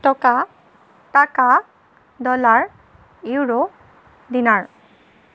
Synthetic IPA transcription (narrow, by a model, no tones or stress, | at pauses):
tɔka | taka | dɔlaɹ | iwɹo | dinaɹ